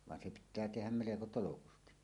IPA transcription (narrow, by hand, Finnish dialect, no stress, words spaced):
ʋɑn se pitˑæː tehæm meleko tolokusti